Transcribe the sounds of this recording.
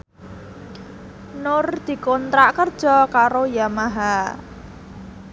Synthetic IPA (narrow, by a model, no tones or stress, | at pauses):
nʊrd̪̥i̤kɔnt̪ɾaʔkərd̥ʒ̥ɔ̤kaɾojamaɦa